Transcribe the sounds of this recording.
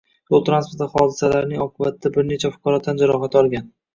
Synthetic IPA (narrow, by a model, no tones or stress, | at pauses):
jolˠt̪ʰɾanspʰoɾt̪aχɒd̪ɪsalaɾnɪŋɒqʰɨbat̪ʰd̪abɪɾne̞t͡ʃʰafʊ̥qʰɒɾɒt̪ʰːand͡ʒaɾɒɦat̪ʰɒlˠɡʲan